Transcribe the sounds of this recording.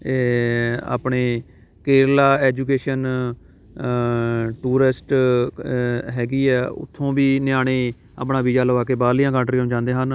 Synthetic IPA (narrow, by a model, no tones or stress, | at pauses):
eːa̰ːpɳeː | keːɾlaːɛːd͡ʒuːk̬eːʃən | ʈuːɾɪsʈ | ɦɛːɡiːɛːʊ̰t̪ʰːõːbiːnɪjaːɽ̃eː | a̰ːpɳaːbiːd͡ʒaːləʋaːkeːbaːlɪjãːkãːɳʈɾiːəmd͡ʒãːnd̪eːɦən